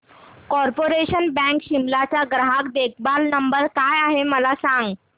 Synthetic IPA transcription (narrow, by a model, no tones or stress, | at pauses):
kɔɾpoɾeɕənbɛ̃kɕimlat͡ɕjaɡɾaɦakd̪ek̚ʰbalnəmbəɾkajaɦeməlasãŋɡ